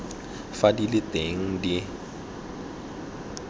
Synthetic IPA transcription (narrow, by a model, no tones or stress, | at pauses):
fadilɪtʼeŋ̩di